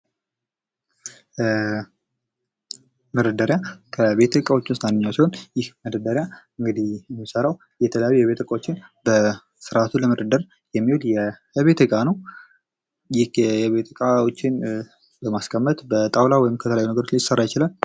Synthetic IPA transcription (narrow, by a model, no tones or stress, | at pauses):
məd̪əd̪əɾjakʰəβe̞t̪ʰɨkʼawo̞t͡ʃːunst̪manːɨɲːawsiho̞njɪhməd̪əd̪əɾja | ɨŋɡɨd̪ijɛmːisəɾaw | jɛt̪ʰələjajujɛβe̞t̪ɨkʼawot͡ʃːɪnbə | sɨɾat̪ʰuləməd̪əd̪əɾ | jɛmːiwoljɛ | βe̞t̪ɨkʼanəw | jɪhjɛβe̞t̪ʰɨkʼawo̞t͡ʃːɪn | bəmaskʰəmːət̪bət̪ʼawlawɔjɪmkʰət̪ʰələjajːunəɡəɾot͡ʃjɪsərːajɪt͡ʃɪlal